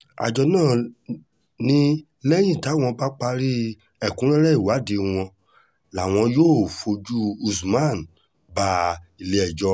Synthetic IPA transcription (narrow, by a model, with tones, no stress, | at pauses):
a̰˨d͡ʒɔ˧nãː˦˨ | nĩ˦ | lɛ˦j̃ĩ˦˨ta˨˦w̃ɔ̃˧ba˦k͡pa˧ɾi˦ | ɛ˨kũ˦ɾɛ̃˦ɾɛ˦i˦˨wa˨˦de˧w̃ɔ̃˧ | la˨w̃ɔ̃˧joː˦˨fo˧d͡ʒu˦u˧su˨mã˦˨n˨ | ba˧˦i˧˨le˧˦ɛ˨d͡ʒɔ˧